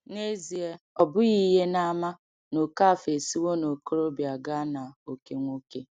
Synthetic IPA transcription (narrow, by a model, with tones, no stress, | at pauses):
ne˦zi˨e˦ | ɔ˨bʊ˦ɣi˦ɦe˦na˦ma˦ | no˨ka˦˨fe˨si˦wo˦no˨ko˦ɾo˦bja˨ɡa˦na˨o˨ke˦ŋʷo˦ke˦